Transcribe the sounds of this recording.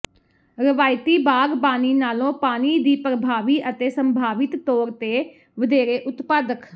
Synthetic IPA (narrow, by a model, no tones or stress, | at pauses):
ɾɪʋaːjɪt̪iːbaːɡpaːniːnaːlõːpaːniːd̪iːpɾəbʱaːʋiːʔət̪eːsəmbʱaːʋɪt̪ːoːɾt̪eː | ʋəd̪eːɾeːʔʊt̪paːd̪ək